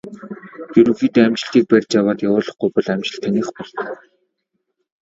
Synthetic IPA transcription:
jɵɾɵ̆xiːt̪ːæmt͡ɕɪ̆ɮt̪iːk̚pærʲt͡ɕjawaːt̪jawʊːɮɞ̆χɡʊjpɔɮæmt͡ɕɪ̆ɬt̪ʰːaniːχpɔɮt̪ə̆k

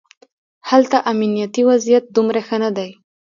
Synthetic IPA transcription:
halt̪aʔaminijat̪iwazijat̪̚d̪umɾaxənad̪aj

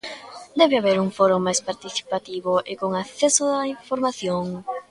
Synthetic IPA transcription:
d̪ɛβeaβeɾuŋfoɾoŋmːajspaɾt̪iθi̥pat̪iβʊʔekoŋaθɛsoðaiɱfoɾmaθjoŋ

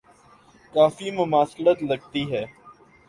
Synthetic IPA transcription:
kaːfimʊmaːslət̪lɐɡt̪iɦɛː

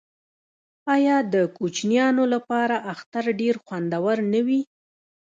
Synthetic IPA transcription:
ɑjɑd̪əkut͡ʃnjɑnolapɑɾaʔaxt̪aɾɖeɾxwand̪awaɾnəwi

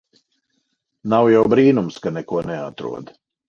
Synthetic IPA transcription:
nawjawbɾiːnumskanɛkuɔnɛat̪ɾṵɔd̪

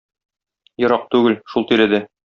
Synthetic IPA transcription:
jŏɾɑq̚t̪ʉɡɘlʃulˠt̪iɾɘ̆d̪ɘ

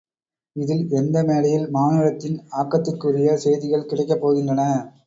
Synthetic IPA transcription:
ɪðɪlɛnd̪ɐmeːlɐjɪlmaːnɐlɐt̪ːɪnaːkːɐt̪ːɯkːʊrɪjɐsɛjðɪɣɐɭkɪɽɐɪkːɐpːoːɣɪndrɐnɐ

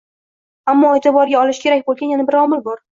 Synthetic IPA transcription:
amːɒet̪ʰɪbɒɾɡʲaɒlɪʃkʲʰe̞ɾakʲbolˠɡʲanjanabɪɾɒmɪlbɒɾ

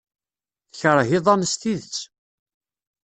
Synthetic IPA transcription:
θəçəɾˤɦiðˤɑnəst̪iðət͡sː

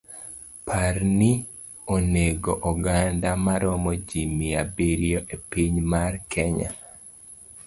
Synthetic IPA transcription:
pʰarni | oneɡoʔɔɡandamaɾɔmɔd͡ʒimiabiɾjoʔepiɲmarkʰɛɲa̰

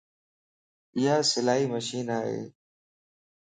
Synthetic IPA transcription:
ɪɦaːsɪlaːɦiːməʃiːnaːɦḛː

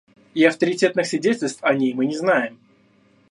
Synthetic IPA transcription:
ɪɐft̪əɾʲɪtʲe̞t̪nɨxsvʲɪdʲetʲɪlʲst̪fɐnʲejmɨnʲɪznajɪm

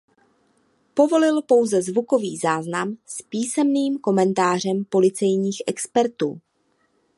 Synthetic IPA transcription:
po̞vo̞lɪlpo̞wzɛzvuko̞viːzaːznamspiːsɛmniːmko̞mɛnt̪aːr̝ɛmpo̞lɪt͡sɛjɲiːxʔɛkspɛɾt̪ṵː

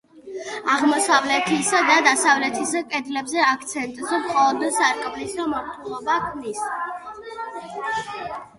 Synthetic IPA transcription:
aʁmɔsavlɛt̪ʰisad̪ad̪asavlɛt̪ʰisakʼɛd̪lɛbzɛakʰt̪sʰɛnt̪ʼzɔmχʼɔlˠɔd̪ɛsaɾkʼblisd̪amɔɾt̪ʰʼulˠɔbakʰmnis

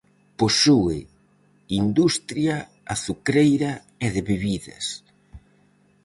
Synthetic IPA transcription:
posuɪ | ind̪ust̪ɾja | aθukɾejɾɐ | ɛðɪβeβiðɐ̰s

